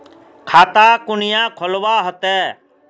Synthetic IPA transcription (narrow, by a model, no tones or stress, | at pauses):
kʰaːt̪aːkʊnɪjãːkʰɔlʋaːɦɔt̪ɛː